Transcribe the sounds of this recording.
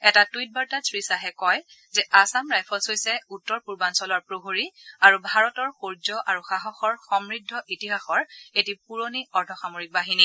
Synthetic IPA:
ɛtatuijt̚baɹtasɹisaɦɛkɔj | zɛʔasamɹajpʰɔsojsɛutːɔɹpuɹbansɔlɔɹpɹoɦoɹiaɹubʱaɹɔtɔɹxoɹzɔʔaɹuxaɦɔxɔɹxɔmɹidʱːɔʔitiɦaxɔɹetipuɹoniɔɹdʰʱɔxamoɹik̚baɦini

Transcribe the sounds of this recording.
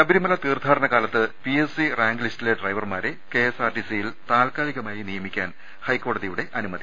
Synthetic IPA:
kɐbiɾimɐlɐt̪iːrd̪ʱaːɾɐɳɐɣaːlɐt̪ːɨpiesiraːŋɡlistileɖrɐjʋɐrmaːɾekeesaːrʈisijilt̪aːlkaːliɣɐmaːjinijɐmikʲːa̰ːn | hɐjkːo̞ːɽɐðijuɽe̞ʔɐnumɐd̪ʱi

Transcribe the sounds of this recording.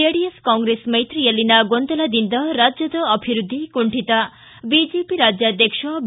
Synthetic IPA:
eɽieskɔŋɡɾesmejt̪ɾijelinaɡond̪ɔlad̪ind̪ɔɾad͡ʒjɔd̪ɔːbʱiɾud̪ʱːikuɳʈʰit̪a | bid͡ʒepiɾad͡ʒjad̪jekʃɔb

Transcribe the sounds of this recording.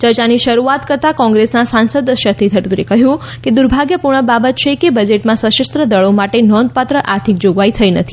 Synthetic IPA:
t͡ʃəɾt͡ʃaniʃəɾuat̪kəɾt̪akɔ̃ŋɡɾesnasansəd̪əʃət̪ʰit̪ʰəʈuɾekəɦjũ | ked̪uɾbʱaɡjəpuɾɳ̃əbabət̪̚t͡ʃʰekebəd͡ʒeʈmãsəʃəst̪ɾəd̪əɭomaʈenɔnd̪̚pat̪ɾəʔaɾt̪ʰik̚d͡ʒoɡʋait̪ʰəjnət̪ʰi

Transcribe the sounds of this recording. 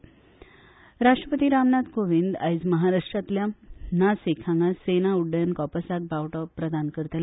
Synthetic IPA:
ɾaʂʈɾəpət̪iːɾamnat̪koʋind̪ajd͡zməɦaɾaʂʈɾat̪ljanasekʰãŋɡasenauɖːəjənkɔpəsak̚bawʈɔpɾəd̪ʱankəɾt̪el

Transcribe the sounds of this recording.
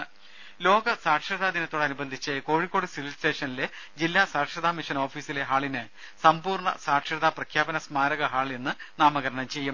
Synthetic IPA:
lo̞ːɡɐsaːʈʂɐðaːd̪inɐt̪ːoːɽeɐnubɐnd̪ʱit͡ɕːɨko̞ːɻikːo̞ːɽɨsililsʈe̞ːʂɐnile | d͡ʑilːaːsaːʈʂɐd̪aːmiʂɐno̞ːfiːsile̞ɦaːɭinɨ | sɐmpuːrɳɐ̰saːʈʂɐðaprɐkʰjaːbɐnɐsmaːɾɐɣɐɦaːɭe̞nːɨnaːmɐɣɐɾɐɳɐmt͡ɕe̞jːum

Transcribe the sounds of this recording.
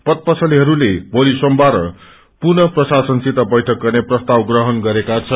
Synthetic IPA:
pʌt̪̚pʌsʰʌliɦʌɾulebolisʌmbʱaɾʌ̰ | purnʌprʌsasʌnsit̪abʌjʈʰʌk̚ɡʌrneprʌst̪awɡrʌɦʌnɡʌɾekat͡sʰʌ

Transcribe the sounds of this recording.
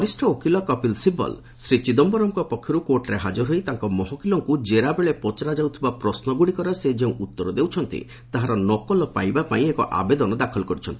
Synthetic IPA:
ɔɾisʈʰɔokilɔkɔpilsibɔ̰l | sɾit͡ʃid̪ɔmbɔɾɔŋkɔpɔkʰːjɔɾukoʈɾeɦad͡ʒɔɾɦojt̪aŋkɔmɔɦɔkilɔŋkud͡ʒeɾabeɭepɔt͡ʃaɾad͡ʒawt̪ʰibapɾɔsnɔɡuɽikɔɾesed͡ʒeũʔut̪ːɔɾɔd̪ewt͡ʃʰɔnt̪ḭ | t̪aɦaɾɔnɔkɔlɔpa̰jbapaĩekɔ̰ʔa̰bed̪ɔnɔd̪akʰɔlkɔɾit͡ʃʰɔnt̪i

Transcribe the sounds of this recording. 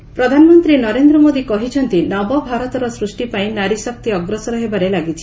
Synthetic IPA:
pɾɔd̪ʱanɔmɔnt̪ɾinɔɾend̪ɾɔmod̪ikɔɦit͡ʃʰɔnt̪inɔbɔbʱaɾɔt̪ɔɾɔsɾusʈipaĩnaɾisɔk̚t̪iɔɡɾɔsɔɾɔɦebaɾelaɡit͡ʃʰi̥

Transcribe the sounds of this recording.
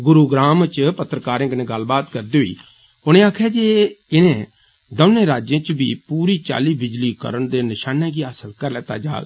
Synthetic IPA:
ɡʊɾuːɡɾaːmt͡ʃpət̪ɾəkaːɾɪ̃ɡnẽːɡəlbaːt̪kəɾd̪iːɦʊḭː | ʊñẽːaːkʰaːd͡ʒeːɪnẽː | d̪əʋneːɾaːd͡ʒẽːt͡ʃbiːpuːɾiːt͡ʃa̰ːliːbɪd͡ʒliːkə̰ɾəɳd̪eːnɪʃaːnẽːɡiːaːsəlkəɾlɛːt̪a̰ːd͡ʒa̰ːl

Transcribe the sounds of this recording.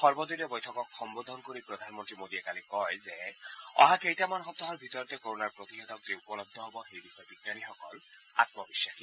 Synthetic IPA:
xɔɹbɔd̪iɾɛbɔjtʰɔkɔkxɔmbod̪ʱɔnkoɹipɹɔd̪ʱanmɔntɹimod̪iɛkalikɔjzeɔ̰ɦakejtamanxɔp̚t̪ɔɦɔɹbʱit̪ɔɹɔt̪ɛkoɹonaɹpɹot̪ixed̪ʱɔkzeupɔlɔb̚d̪ʱːɔɦobɔxejbixɔebitːanixɔkɔ̰l | a̰t̪mɔbisːaxi

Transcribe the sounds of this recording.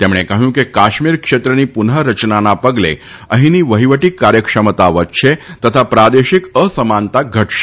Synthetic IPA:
t̪emɭ̃ekaɦũːkekaɕmiːɾkʂet̪ɾəniːpunɦəɾət͡ɕnanapəɡlḛ | əɦiniːʋəɦiʋəʈiːkːaɾjəkʂəmət̪aʋət̪ʃet̪ət̪ʰapɾad̪eɕikəsəmant̪aɡʱəʈʃe̥

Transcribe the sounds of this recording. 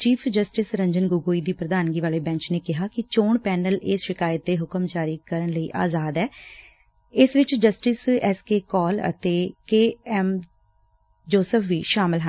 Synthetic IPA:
t͡ʃiːpʰd͡ʒəsʈɪsɾə̃ɲd͡ʒənɡʊɡoːiːd̪iːpɾəd̪aːnɡiːʋaːleːbɛ̃ːɲt͡ʃneːkɪɦaːkɪt͡ʃoːɳpɛːnəlɪsʃɪkaːjət̪̚d̪eːɦʊkəmt͡ʃaːɾiːkəɾənləiːʔa̰ːzaːd̪ɛː | ɪsʋɪt͡ʃd͡ʒəsʈɪsɛskeːkɔːlə̰t̪eːkeːɛm | d͡ʒoːsəpʰʋiːʃaːmɪlɦə

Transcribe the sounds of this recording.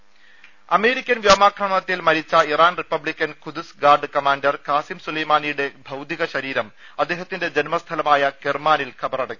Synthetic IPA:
ɐme̞ːɾikʲːɐnʋjɐmaːkʰrɐɳɐt̪ːilmɐɾit͡ɕːɐiraːnripːɐblikʲːɐnkʰud̪usɡaːrɖɨkɐmaːndɐrkaːsimsulɐjmaːnijuɽe̞bʱɐwd̪iɣɐɕɐɾiːɾɐm | ɐd̪ːeːɦɐt̪ːinde̞d͡ʑenmɐst̪ʰɐlɐmaːjɐkermaːnilkʰɐbɐrɐɽɐkʲːi̥

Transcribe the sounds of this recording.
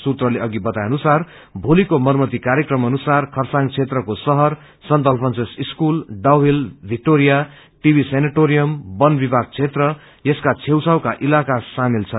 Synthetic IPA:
sut̪rʌleʌɡibʌt̪ajʌnusar | bʱolikomʌrmʌt̪ikaɾjekrʌmʌnusarkʰʌrsaŋt͡sʰet̪rʌkosʌɦʌr | sʌnt̪ʌlpʰʌnsesiskulɖawbilbʱik̚ʈoɾija | ʈibʱisenaʈoɾijʌmbʌnbibʱaɡ̚t͡sʰet̪rʌ | jʌskat͡sʰewsʰawkaʔilakasamilt͡sʰʌ

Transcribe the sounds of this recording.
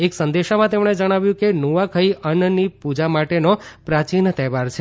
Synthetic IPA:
eksənd̪eʃamãt̪emɳ̃ed͡ʒəɽ̃aʋjũkenuʋakʰəiʔənnipud͡ʒamaʈenopɾat͡ʃint̪ɛʋaɾt͡ʃʰe

